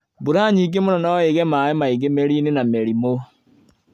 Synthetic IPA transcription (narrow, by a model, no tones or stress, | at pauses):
buɾaɲiɡemonɔnaeɣɛmaemaiɣemeɾinenameɾimo